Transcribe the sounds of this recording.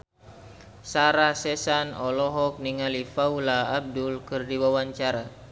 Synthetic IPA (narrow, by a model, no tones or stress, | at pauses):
saɾasɛsanɔlɔɦɔk̚niŋalifaulaːb̚dulkɨrdiwawaɲt͡ʃaɾa